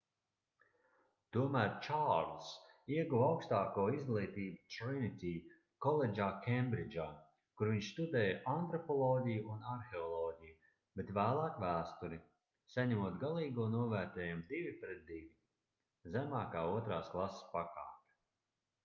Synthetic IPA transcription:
t̪uɔmæːɾt͡ʃaɾlˠsiɛɡuwawkst̪aːkuːizɡlˠʲijt̪iːbut̪ɾinit̪ʲiː | kɔlˠed͡ʒaːkʲɛmbɾid͡ʒaː | kuɾviɲʃst̪ud̪ɛːjaʔant̪ɾɔpɔlˠɔːɟʲijuunaɾxeɔlˠɔːɟʲiju | bet̪væːlˠɑːkvæːst̪uɾi | saɲɛmuɔt̪ɡalˠiːɡuɔnuɔvæːɾt̪ɛːjɛmd̪ivipɾɛt̪̚d̪ivʲi | zæmaːkaːuɔt̪ɾaːsklˠasspaka̰ːtʲ

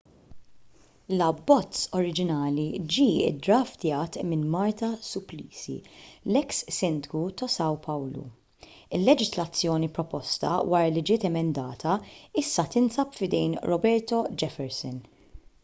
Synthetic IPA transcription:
lɐbːɔt͡sɔɾɪd͡ʒɪnɐːlid͡ʒiːɪ̰d̪ɾɐːft̪jɐːt̪mɪnmɐɾt̪ɐsʊpliːsḭlɛksːɪnd̪ɪɡut̪ɔsɐwpɐwlṵ | ɪlːɛd͡ʒɪslɐt͡sːjɔːnipɾɔpɔst̪ɐ̰wɐːɾɐlid͡ʒɪːt̪ɛmɛnd̪ɐːt̪ʰɐɪsːɐt̪ɪnsɐpfɪd̪ɛjnɾɔbɛɾt̪ɔd͡ʒɛfɛɾsɔn

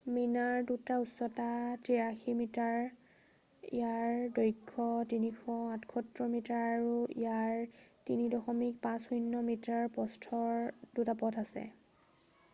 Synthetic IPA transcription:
minaɹdutausːɔtatiɹaximitaɹ | ḭjaɹdɔjkʰːɔtinixʰɔãtʰkʰɔtɹɔmitaɹaɹuḭjaɹtinidɔxɔmik̚pãsujnːɔmitaɹpɔstʰɔɹdutapɔtʰasɛ̰

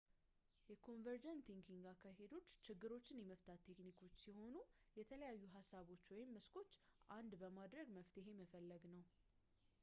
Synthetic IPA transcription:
jɛkʰo̞nvəɾd͡ʒənt̪ʰiŋkʰiŋɡakʰːaɦe̞d̪o̞t͡ʃːt͡ʃɪɡːɨɾo̞t͡ʃːɪnjɛməft̪ʰat̪ʰːe̞knikʰo̞t͡ʃːsiho̞nujɛt̪ʰələjajːuɦasaβo̞t͡ʃːwɔjɪmːɨskʰo̞t͡ʃːʔand̪bəmad̪ɾəɡməft̪ɨɦe̞məfəlːəɡnəw

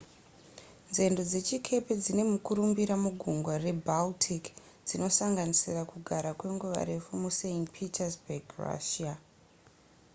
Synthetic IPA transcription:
nze̞ndo̞d͡ze̞t͡ʃikʰe̞ped͡zine̞mukuɾumbiɾamuɡʱuŋɡware̞baltʰik | d͡zino̞saŋɡanisirakuɡʱaɾakwe̞ŋɡuʋa̰ɾe̞fumuseinpʰitʰarzbeɡra̰ʃia

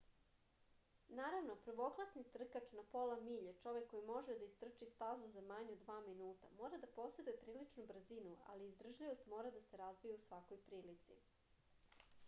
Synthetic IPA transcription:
naːɾaʋnopɾ̩ʋo̞klˠasnit̪r̩kat͡ʃnapolamiːʎet͡ʃo̞ʋekːo̞jimo̞ʒed̪aist̪r̩t͡ʃist̪azuzamaɲud̪ʋaːminuːt̪a̰mo̞ːɾad̪apo̞se̞d̪ujepɾiːlit͡ʃnubr̩zinua̰liːzd̪r̩ʒʎiʋo̞st̪mo̞ːɾad̪ase̞ɾazʋijeusʋakojpɾiːlit̪sḭ

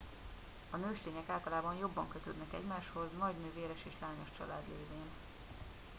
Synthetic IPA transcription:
ɒnøːʃt̪eːɲɛkaːlt̪ɒlaːbɒnjo̞bːɒŋkøt̪ø̰ːd̪nɛkɛ̰ɟmaːʃho̞znɒɟnøːveːɾɛʃeːʃlaːɲo̞ʃt͡ʃɒ̰la̰ːd̪leːveːn

